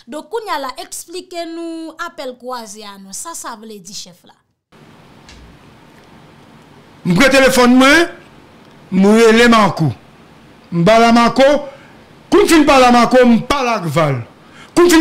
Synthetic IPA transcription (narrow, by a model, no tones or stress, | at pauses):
d̪ɔ̃kːũɲalaʔɛksplikenũapɛlkuazeanɔ̃sasavled͡ziʃɛfla̰ | m̩pɣɛ̃t̪elefɔnmwɛ̃ | mũelemãku | m̩balamãko | kũnfinpalamãkom̩palakval | kũnfi